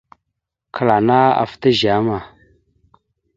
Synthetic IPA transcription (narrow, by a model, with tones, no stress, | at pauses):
kʰə˨la˨na˦a̰˨fta˦ʒa˨˦ma˨